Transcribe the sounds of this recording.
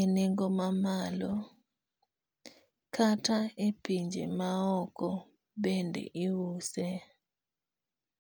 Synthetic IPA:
eneŋɡomamalɔ | kʰataepiɲd͡ʒḛmaɔkɔ | bendḛʔiwuse

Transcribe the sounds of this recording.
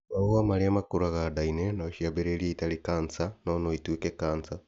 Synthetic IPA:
aamaɾeamakoɾaɣadainɛnaʃiabeɾeɾieitaɾekaːnt͡sanɔnoitwekɛkaːnsa

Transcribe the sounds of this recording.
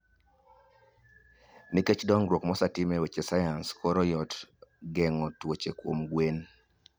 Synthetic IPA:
niket͡ʃdɔŋɡɾwokmɔsatimewet͡ʃesajanskʰɔɾɔjɔtɡɛŋɔtwot͡ʃekwomɡwen

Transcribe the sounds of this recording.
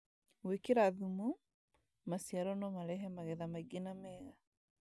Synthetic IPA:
wekeɾaðumu | masijaɾɔnɔmaɾɛɦɛmaɣɛðamaiɡenamɛɣa

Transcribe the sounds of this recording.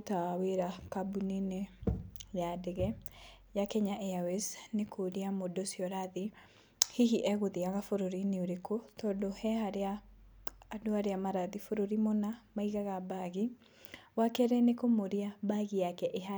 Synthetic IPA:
taaweɾakabunine | jadeɣɛ | jakɛɲaʔeawɛsnekʰoɾiamodosiɔɾaði | hiɦiʔɛɣoðeaɣafoɾoɾineoɾekotɔdohɛhaɾeaː | doaɾeamaɾaðifoɾoɾimonamaiɣaɣabaɣi | wakɛɾɛnekomoɾiabaɣijakɛʔeɦa

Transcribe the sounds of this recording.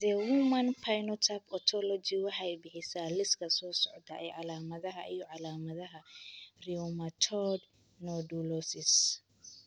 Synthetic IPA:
dɛwumɐnpʰajnɔt̪ʰapɔt̪ʰɔlɔd͡ʒiwɑħɑjbɪħɪsaːlɪskʰɐsɔːsɔʕd̪ɐʔɛ̰jʕɑlaːmɐðɐɦɐʔijɔʕɑlaːmɐðɐɦɐriɔmɐt̪ʰɔd̪ | nɔɖulɔsɪs

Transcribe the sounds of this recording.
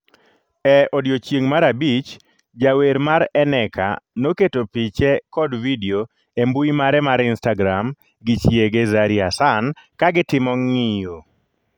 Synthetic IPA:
ɛodjot͡ʃjeŋmaɾabit͡ʃ | d͡ʒaweɾmaɾɛnɛka̰noketopit͡ʃɛkɔdvideo | embuimaɾɛmaɾɪnstaɡɾam | ɡɪt͡ʃjeɡezaɾiasankaɡɪtɪmɔŋɪjo

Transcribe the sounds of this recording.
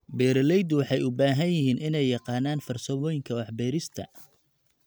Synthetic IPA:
bɛːɾlɛjd̪wɑħɑjʊbaːɦɐnjɪɦiːnʔɪnɛjːɑqɑːnaːnfɐrsɐmɔːjɪŋkʰɐwɑħbɛːɾɪst̪ʰɐ̰

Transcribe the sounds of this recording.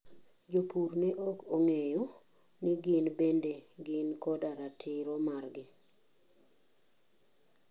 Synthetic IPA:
d͡ʒopuɾneʔokoŋejo | nɪɡɪnbendeɡɪnkɔdaɾatʰɪɾɔmarɡɪ

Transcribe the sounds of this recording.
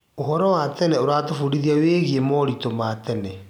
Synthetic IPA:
oɦɔɾɔwatɛnɛoɾaːtofuɾiðiaweːɣiemɔɾitomatɛnɛ

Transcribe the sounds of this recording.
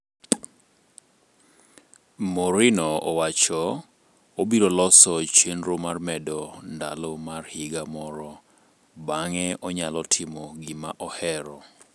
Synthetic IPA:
moɾinɔɔwat͡ʃɔ | obiɾolɔsɔt͡ʃenɾomarmɛdɔnda̰lɔmarhɪɡamɔɾɔ | baŋɛɔɲalɔtʰɪmɔɡɪmaʔɔhɛɾɔ

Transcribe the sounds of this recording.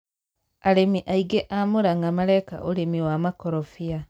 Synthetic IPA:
alemiʔaiɡeʔamuɾaŋɡamaɾajka̰ʔolemiwamakoɾofja

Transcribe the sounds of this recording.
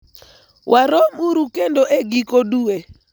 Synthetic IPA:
wʔaɾɔmuɾukendoʔeɡikodue

